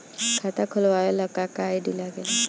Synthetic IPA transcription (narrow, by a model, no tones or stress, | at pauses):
kʰat̪akʰɔlwajɔləkːakajɖilaɡɛla